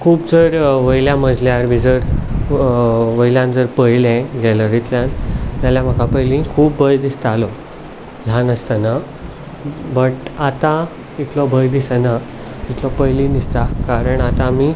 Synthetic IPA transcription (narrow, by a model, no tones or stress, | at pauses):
kʰuːpd͡zəɾʋəjljãməd͡zljaɾmĩd͡zəɾ | ʋəjljãnd͡zəɾpəjlɛ̃ɡɛləɾit̪ljant̪jaljam̤əkʰapəjlĩkʰuːp̚bəjd̪ist̪alɔ | l̤anəst̪ana | bəʈat̪a | it̪lɔbʱəjd̪isana | it̪lɔpəjlĩnist̪akaɾəɳat̪ãmi